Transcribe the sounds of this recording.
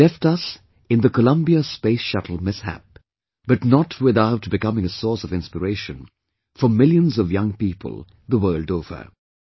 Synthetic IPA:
lɛftʌs | ɨ̃nðəkəlʌ̃mbiəspeɪsʃʌtl̩ˠmɪshæ̰p̚ | b̥ʌtnətʰwɪðaʊtbɨkʌmɪ̃ŋəsɔɹsʌvɪ̃nspəɹeɪʃɨ̃n | fəmɪljə̃nzʌvjʌ̃ŋpiːpʰə̰lˠ | ðəwɜːldoʊvə̰˞

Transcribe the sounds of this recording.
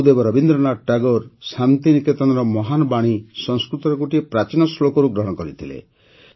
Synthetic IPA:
d̪ebɔɾɔbind̪ɾɔnaʈaɡɔɾsant̪iniket̪ɔnaɾɔmɔɦanɔbaɽ̃isɔŋskɾut̪ɔɾɔɡuʈiepɾat͡ʃinɔslokɔɾuɡɾɔɦɔɽɔkɔɾit̪ʰilḛ

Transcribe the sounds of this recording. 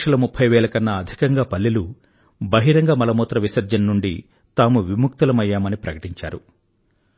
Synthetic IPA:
ʂɐlɐmupʰːɐjʋɛːɭɐkɐnːɐːd̪ʱikɐŋɡaːpɐlːilu | bɐɦiɾɐŋɡaːmɐlɐmɔːt̪ɾɐʋisɐɾd͡ʒɐnːuɳɖi | t̪aːmuʋimuk̚t̪ɐlɐmɐjːaːmɐnipɾɐkɐ̥ʈiɲt͡ʃa̰ːɾu

